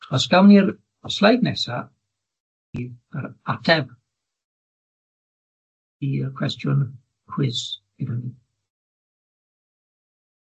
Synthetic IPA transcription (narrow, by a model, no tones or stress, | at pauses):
aχɔsɡ̥awniɾ | ɔslajdnɛsa | iəɾatʰɛv | iəkʰw̥ɛstʰjʊn | hwɪs | ivəni